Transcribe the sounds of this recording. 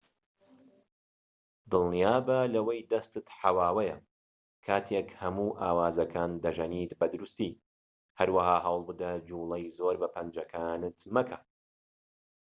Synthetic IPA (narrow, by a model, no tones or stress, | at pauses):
d̪ɨlˠnijaːbɐlɐwɐjd̪ɐst̪ɨt̪ħawaːwɐjɐ | kʰaːt̪ʰekhɐmuːʔaːwaːzɐkʰaːnd̪ɐʒɐniːt̪bɐd̪ʊɾust̪i | hɐɾwɐɦaːɦawlˠbɨd̪ɐd͡ʒuːlˠɐjzoːɾbɐpʰɐnd͡ʒɐkʰaːnɨt̪mɐkʰɐ